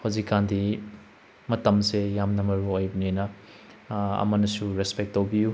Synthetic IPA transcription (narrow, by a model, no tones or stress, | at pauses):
howzikːandi | mɐtɐmsejamnɐmɐɾuojbɐnenɐ | ɐ̰mɐnɐsuɾespek̚tːowbiju